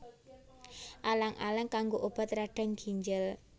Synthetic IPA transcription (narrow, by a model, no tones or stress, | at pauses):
ʔalaŋʔa̰laŋkaŋɡoʔob̥a̤t̪ɾaɖ̥a̤ŋɡ̥i̤ɲd͡ʒəl